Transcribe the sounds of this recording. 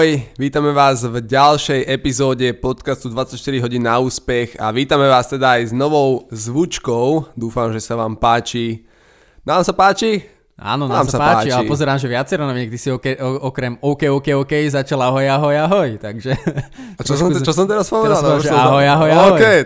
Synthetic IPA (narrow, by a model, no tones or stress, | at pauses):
ɔjʋiːt̪amɛʋaːzvɟalʃɛjʔɛpizɔːɟɛpɔt̪kast̪ud̪ʋat͡sːacʃt̪iɾiɦɔɟiːnːauːspɛxa̰ʋiːt̪amɛʋaːst̪ɛd̪aːjznɔʋɔʊzʋut͡ʃkɔʊd̪uːfamʒɛsaʋaːmpaːt͡ʃi | naːmsapaːt͡ʃi | a̰ːnɔnaːmsasapaaːaːt͡ʃialɛipɔzɛɾaːmʒɛʋɪat͡sɛɾɔnɔʋiɲɛk̚t̪isiɔkɛʔɔkɾɛmɔʊkɛɔkɛɔkɛjzat͡ʃalaɦɔjaɦɔjaɦɔjt̪aɡʒɛɾɔst͡ʃɔs̬ɔmt̪ɛɾaspɔʋɛdaalaɦɔjaɦɔjaɔkɛj